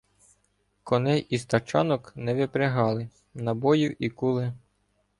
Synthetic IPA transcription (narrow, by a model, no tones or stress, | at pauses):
kɔnɛjist̪ɐt͡ʃɑ̰nɔknɛʋɪpɾeɦɑlˠɪ | nɐbɔjʊʔikulˠɪ